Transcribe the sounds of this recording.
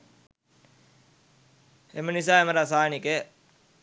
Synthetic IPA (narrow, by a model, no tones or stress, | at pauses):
emenis̬aːemɐɾasaːnike